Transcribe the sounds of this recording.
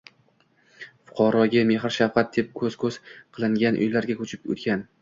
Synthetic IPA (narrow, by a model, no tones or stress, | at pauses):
fʊ̥qʰɒɾɒɡʲame̞ɦɾʃafqʰɑt̪̚d̪̥ep̚kʰɵz̥kʰɵz̥qʰɨlˠɪŋɡʲanʔʊ̰jlaɾɡʲakʰʲɵt͡ʃʰɪ̥p̚o̰t̪̚kʲan